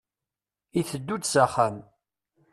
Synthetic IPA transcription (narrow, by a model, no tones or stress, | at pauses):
iθəd̪ːut͡ssaχæm